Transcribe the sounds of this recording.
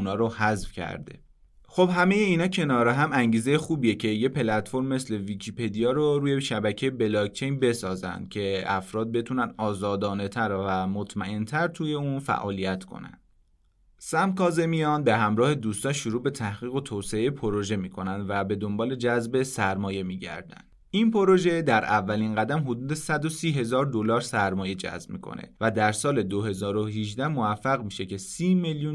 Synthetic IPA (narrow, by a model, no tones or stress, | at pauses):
unɒːɾohæzfcʰæ̰ɾd̪e̞̰ | xo̞bhæme̞je̞iːnɒːcʰe̞nɒːɾeɦæmæŋɟiːze̞je̞xuːbijecʰe̞jepʰe̞læt̪fo̞ɾmːe̞sle̞vicʰipʰe̞d̪ijɒːɾoɾuːje̞ʃæbæcʰejebelɒk̚t͡ʃʰe̞jnbe̞sɒːzæ̰nd̪̥̚cʰe̞æfɾɒːd̪̚be̞t̪ʰunænɒːzɒːd̪ɒːne̞t̪ʰæɾvæmot̪ʰmæʔe̞nt̪ʰæɾt̪ʰuːje̞uːnfæ̰ʔɒ̰ːlijæt̪ʰkʰo̰næ̰nd̪̥̚ | sæmkʰɒːze̞mijɒːnbe̞ɦæmɾɒːhe̞d̪uːst̪ɒnʃoɾuːbe̞t̪ʰæhɣiːɣo̞t̪ʰoːwseejepʰoɾo̞ʒe̞miːkʰo̞nænd̪væbe̞d̪o̞mbɒːle̞d͡ʒæzbe̞sæɾmɒːje̞miːɟæ̰ɾd̪æ̰nd̪̥ | inpʰo̞ɾo̞ʒe̞d̪æɾʔævːæliːnɢæd̪æmɦod̪uːd̪e̞sæd̪o̞siːɦe̞zɒːɾd̪o̞lɒːɾsæɾmɒːje̞d͡ʒæ̰zbmḭːkʰo̞̰nḛvæd̪æɾsɒːle̞d̪ohe̞zɒːɾo̞ɦiʒd̪æhmovæfːæɣmiːʃe̞cʰe̞siːmeljun